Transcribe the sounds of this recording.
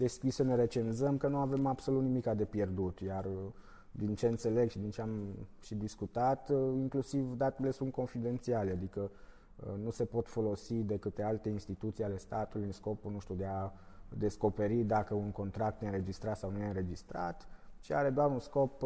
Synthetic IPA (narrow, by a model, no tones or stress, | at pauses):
d̪e̞skʲisəne̞ɾe̞t͡ʃe̞nzəmkənuave̞mab̥so̞lut̪nimikad̪e̞pje̞rd̪ut̪jar | d̪int͡ʃe̞ɨnse̞le̞ɡʃid̪int͡ʃe̞amʃid̪iskut̪at̪iŋklusivd̪at̪ele̞sunt̪̚ko̞nfid̪e̞nt̪sialead̪ikə | nuse̞po̞t̪fo̞lo̞sid̪e̞kɨt̪e̞alt̪e̞inst̪it̪ut̪siale̞st̪at̪ulʲɨnsko̞punuʃt̪ʲud̪e̞a | d̪e̞sko̞pe̞ɾid̪akəuŋko̞nt̪ɾak̚t̪neɨnɾe̞d͡ʒist̪ɾat̪sawnuneɨnɾe̞d͡ʒist̪ɾa̰t̪ʃia̰ɾe̞d̪oaɾunsko̞p